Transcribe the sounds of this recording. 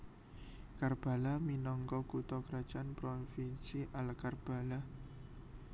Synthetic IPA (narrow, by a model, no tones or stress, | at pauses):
karb̥a̤laminɔŋkɔkut̪ɔkɾad̥ʒ̥anpɾofinsiʔalkarb̥a̤la